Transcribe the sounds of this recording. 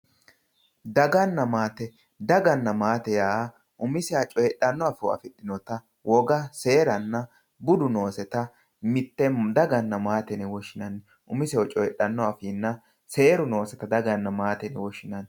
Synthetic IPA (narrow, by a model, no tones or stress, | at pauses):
d̪ɐɡɐnːɐmaːt̪ɛ | d̪ɐɡɐnːɐmaːt̪ɛjaː | ʔʊmɪsɛat͡ʃʼɔjɛɗːɐnːɔafɛw̰ɐ̰fɪtːɪnɔt̪ɐ | wʔɔɡɐse̞ːɾɐnːɐ | bʊd̪ʊno̞ːsɛt̪ɐ | mɪt̪ːɛd̪ɐɡɐnːɐmaːt̪ɛnɛwɔʃɪnɐnːɛ | ʔʊmɪsɛwɔt͡ʃʼɔjɗːɐnːɔafinːɐ | se̞ːɾʊno̞ːsɛt̪ɐd̪ɐɡɐnːɐmaːt̪ɛnɛwɔʃɪnɐn